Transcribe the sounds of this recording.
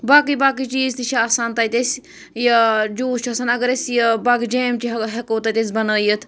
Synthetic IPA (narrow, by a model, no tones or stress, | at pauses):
baːkibaːk̬it͡ʃiːzt̪it͡ʃʰiaːsaːnt̪ɐt̪es | jɐd͡ʒuːt͡ʃʰɐsɐnɐɡəɾesjɐbaːkd͡ʒeːmt͡ʃiɦɐkoːt̪at̪es̬bɐnəːjət̪ʰ